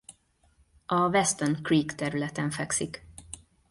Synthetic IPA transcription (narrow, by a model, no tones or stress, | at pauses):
ʔɒvɛst̪ɛnkriːkt̪ɛɾylɛt̪ɛɱfɛksik